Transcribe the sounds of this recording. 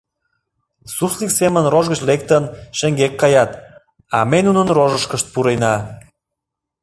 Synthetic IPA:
susliksemə̆nroʒɣət͡ɕlek̚t̪ənʃĕŋɡekːɑjɑt̪ | ɑ̰menunənroʒəʃkəʃt̪̚puɾejnɑ

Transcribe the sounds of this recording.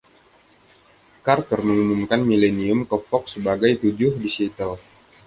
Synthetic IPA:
kart̪ɔrməŋumumkanmileniʊmkɔpɔk̚səbaɡajt̪ud͡ʒʊhdisit̪əl

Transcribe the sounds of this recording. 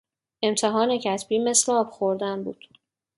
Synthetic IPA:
e̞mt̪ʰeɦɒːnecʰæt̪ʰbiːme̞slɛɒːb̥xoɾd̪ænbuːd̪̥

